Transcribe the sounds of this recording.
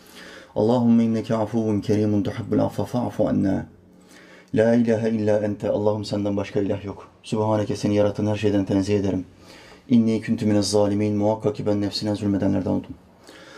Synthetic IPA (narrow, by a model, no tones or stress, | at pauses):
ʔɑ̰lˠːɑːɦʊmːaʔinːækʰæʕafuwːncʰæɾiːmʊnt̪ʊħɪbːulʔa̰fɑfaʕa̰fuʕa̰nːaː | laːʔilaːɦæilːaːʔænt̪ʰæʔɑ̰lˠːɑːɦumsænd̪ænbɑʃkɑilʲæːɦjok | subhaːnækɛseninjɑɾɑt̪ʰɯːnhæɾʃ̬ejd̪ænt̪ʰɛnziːed̪eɾim | ʔinːiːkʰʊnt̪ʰuminæzˤːɑːlimiːnmuwɑqːɑkibænːæfsinæzulʲmed̪ænlʲæɾd̪ænolˠd̪um